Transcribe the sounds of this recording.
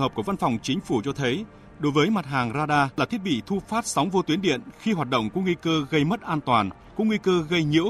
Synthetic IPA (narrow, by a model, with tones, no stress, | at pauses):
həː˨˩p̚ku˧˩əva˧nfa˨˩wŋ͡mt͡ɕï˨˦ŋ̟fu˧˩t͡ɕɔ˧t̪ʰə˨˦j | ɗo˨˦jvəː˨˦jma˨˩t̚ɦaː˨˩ŋzaː˧ɗaː˧laː˨˩t̪ʰi˦˥t̚ɓḭ˧˨t̪ʰu˧faː˦˥t̚sa˨˦wŋ͡mvo˧t̪wi˨˦ənɗḭ˧˨ənxi˧ɦwaː˨˩t̚ɗə̰˧˨wŋ͡mku˧˩əŋwi˧kəː˧ɣə˧jmə˦˥t̚ʔaː˧nt̪waː˨˩n | kṵ˧˥ŋ͡mŋwi˧kəː˧ɣə˧jɲḭ˧˥əw